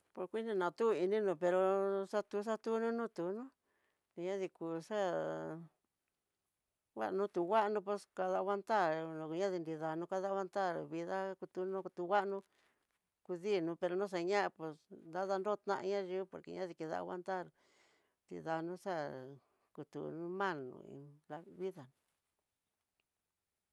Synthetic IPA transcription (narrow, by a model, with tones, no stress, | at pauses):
po˧ɾkʷi˦nĩ˧nã˨t̪u˦i˧nĩ˦nũ˧pe˧ɾo˧sa˦˧t̪u˧˦s̬a˦t̪u˦nũ˦nũ˦t̪u˨˦nũ˦ | ni˧ɲã˦ði˧kuː˨sa˦ | wa̰˦ʔnũ˦t̪u˨wa˦ʔnũ˧p̬o˧ska˧ða˧˦wa˧nt̪a˦ɾ̃ɲã˦ði˧ndi˧ða˧nũ˧ka˧ða˦a˧˦nt̪a˦˨ɾβi˧ða˦ku˧t̪u˧nũ˦˧t̪u˧˦ɣa˦ʔnũ˧ | ku˧ði˦˨nũ˧˦pe˧ɾo˧nõ˦s̬a˧ɲã˦ʔa˧pe˧snd̪a˦ða˧nɾo˦˧t̪nã̰˦ʔɲã˦ʒi˦po̰˨ɾkḛ˧ɲã˦ði˧ki˧ða̰˧wa̰˦nt̪a˦˨ɾ | nd̪ḭ˧ða˧nũ˦sa˦ | ku˧t̪ṵ˨nũ˦mã˦˨lṵ̃˧ḭ˧la˧βi˦ða˨nũ˧